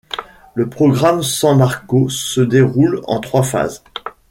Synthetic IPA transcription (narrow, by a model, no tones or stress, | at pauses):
ləpχɔɡʁamsɑ̃naʁkosəd̪eʁulɑ̰̃t̪χwafa̰z